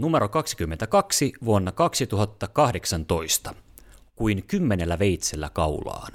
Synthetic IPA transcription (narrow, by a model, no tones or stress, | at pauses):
numeɾokɑksi̥kymːent̪ækɑksiʋuonːɑkɑksit̪uɦɑt̪ːɑkɑhde̞ksɑnt̪o̞ist̪ɑ̥kuinkymːenelːæʋe̞jt̪selːæ̰kɑulɑ̰ːn